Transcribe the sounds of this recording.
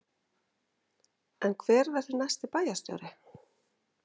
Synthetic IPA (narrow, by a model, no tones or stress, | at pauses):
ɛnkʰvɛːɾvɛr̥θʏnajst̪ɪpaːjast̪jɔ̰wɾɪ